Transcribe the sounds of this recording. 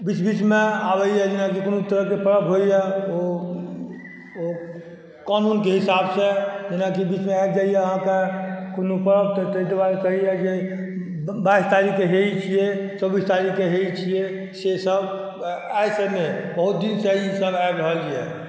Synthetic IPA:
bit͡ʃbit͡ʃmeabəjjɛd͡ʒenakikonot̪əɾəɦkepəɾəbɦojjɛo | o | kanunkeɦisabsed͡ʒenakibit͡ʃmeabd͡ʒaijɛəɦãkekonupəɾəb̚t̪t̪ət̪ebaɾkəɦijɛd͡ʒe | bajst̪aɾikeɦeit͡ʃʰijet͡ʃəbist̪aɾikeɦeit͡ʃʰije | sesəb | ajsenebəɦut̪̚d̪inseisəbajbɾəɦəlt͡ʃʰijɛ̰

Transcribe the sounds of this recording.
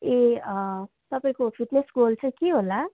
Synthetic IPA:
e | t̪ʌpaĩkopʰiʈnesɡolt͡sʰʌ̃j̃keɦola

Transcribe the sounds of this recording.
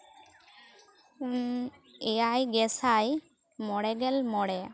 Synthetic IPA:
ɛjajɡɛsaj | mɔɽɛɡɛlmɔɽɛ

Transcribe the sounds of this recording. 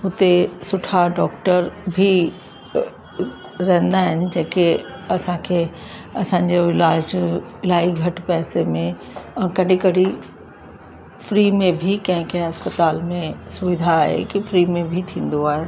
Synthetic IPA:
ʊt̪esʊʈʰaɖɔːk̚ʈəɾbʱi | ɾɐɦə̃nd̪aːɦɪnɪ̆d͡ʑẽːkeɐsãkʰeː | ɐsãɲd͡ʑoɪlaːd͡ʑɪlaːiɡʱɐʈpɛːsemẽ | ɛ̃ːkɐɗɪ̃kɐɽʱi | fɾiːmẽbʱikɐ̃ɦɪ̃kɐ̃ɦɪ̃ɐspət̪aːlmẽsʊʋɪd̪ʱaɦḛkifɾiːmẽbʱit̪ʰĩːn̆d̪oaːɦe

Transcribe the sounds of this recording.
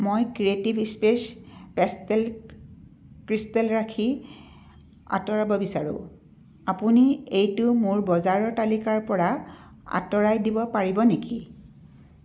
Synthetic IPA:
mojkɹietibispespɛstɛl | kɹistɛlɹakʰi | a̰tɔɹabɔbisaɹʊ̰̃ | apuniejtʊmʊɹbɔzaɹɔtalikaɹpɔɹa | a̰tɔɹajdibɔpaɹibɔneki

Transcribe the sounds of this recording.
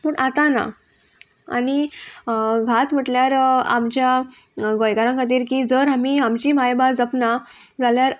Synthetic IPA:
muɳat̪ana̰ | a̰ni | ɡʱat̪m̤əʈljaɾamt͡ɕja | ɡojkaɾãŋkʰat̪̬iːɾkiːd͡zəɾamiamt͡ɕiːmajbad͡zəpnad͡zaljaɾ

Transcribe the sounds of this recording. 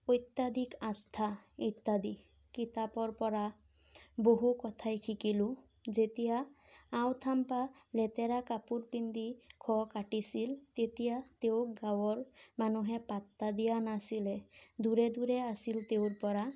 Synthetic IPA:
ojt̪ːad̪ikãst̪ʰait̪ːad̪i | kit̪apɔɹpɔɹa | boɦukɔt̪ʰajkʰikilʊ | zet̪ijaː | wt̪ʰampalɛt̪ɛɾakapuɹpind̪ikʰɔkaʈisilt̪et̪ijat̪eʊɡawɔɹmanuɦɛpat̪ːad̪ijanasilɛd̪uɹɛd̪uɹɛasilt̪ewʊɹpɔɹa

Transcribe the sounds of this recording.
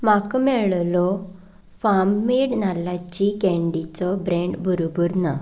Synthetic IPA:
makmɛɭlɔ | famːiɽnalat͡ɕikɛ̃ɳɖit͡sɔbɾẽɳɖbʱuɾubuɾna

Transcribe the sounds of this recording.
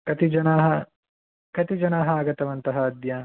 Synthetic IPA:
kɐt̪id͡ʒɐnaːɦɐ | kɐt̪id͡ʒɐnaːɦɐaːɡɐt̪ɐʋɐnt̪ɐɦɐːd̪jaː

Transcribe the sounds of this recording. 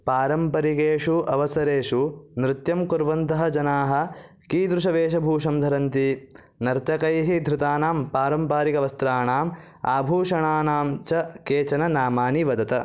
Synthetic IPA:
paːɾɐmpɐɾikeːʂuɐʋɐsɐɾeːʂunɾɪt̪jɐmkuɾʋɐnt̪ɐɦɐd͡ʒɐnaːɦɐ̆ | kiːd̪ɾuʃɐʋeːʃɐbʱuːʂɐmd̪ʱɐɾɐnt̪i | nɐɾt̪ɐkɐjɦid̪ʱɾɪt̪aːnaːmpaːɾɐmpaːɾikɐʋɐst̪ɾaːɳaːm | a̰ːbʱuːʂɐɳaːnaːmt͡ʃɐkeːt͡ʃɐnɐnaːmaːniʋɐd̪ɐt̪ɐ

